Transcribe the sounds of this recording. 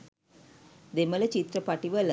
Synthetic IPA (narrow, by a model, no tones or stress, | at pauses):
d̪emələt͡ɕit̪ɾəpaʈiʋələ